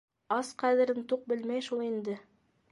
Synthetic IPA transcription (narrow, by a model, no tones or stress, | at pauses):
ɑsqæðɘ̆ɾɘnt̪uq̚bɘlmæjʃulˠind̪ɘ